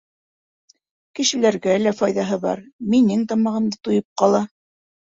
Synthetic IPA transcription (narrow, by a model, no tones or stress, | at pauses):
kɘ̆ʃɘ̆læɾɡælæfɑjðɑɦɤβɑ̰ɾminɘŋt̪ɑmɑʁɤ̆md̪t̪ŏjɤp̚qɑlˠɑ